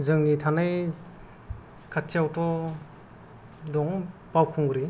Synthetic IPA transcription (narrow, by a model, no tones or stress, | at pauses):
zɯŋnitʰanaj | kʰatʰiawtɔ | dɔŋpawkʰuŋɡɾi